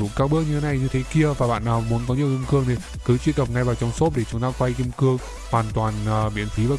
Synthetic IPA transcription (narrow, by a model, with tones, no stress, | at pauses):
zṵ˧˩˨kaː˧k̚ɓɨ˦˥ək̚ɲɨ˧e˨˦na˨˩jɲɨ˧t̪ʰe˨˦ki˧əvaː˨˩ɓa̰ː˧˨nːʔaː˨˩wmu˨˦ənkɔ˨˦ɲi˨˩əwʔi˧mkɨ˧əŋne˨˩ | kɨ˨˦t͡ɕwi˧ənt̪kə˨˩w̚ŋa˧jvaː˨˩wt͡ɕɔ˧wŋ͡mso˦˥t̚ɗe˧˩t͡ɕɨ˧˩na˧˥ŋkwa˧jʔi˧əmkɨ˧əŋ | hwaː˨˩nt̪waː˨˩nʔːɓḭ˧˨ənt̪ʰi˨˦vaː˨˩